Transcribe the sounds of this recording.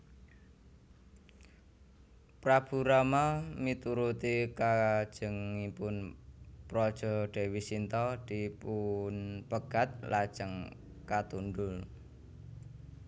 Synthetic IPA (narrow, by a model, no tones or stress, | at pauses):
pɾab̥uɾamamit̪uɾut̪ikad̥ʒ̥əŋipʊnpɾɔd̥ʒ̥ɔ̤ɖ̪̥e̤wisint̪ɔd̪̥ipunpəɡ̥at̪̚lad̥ʒ̥əŋ | kat̪und̪ʊl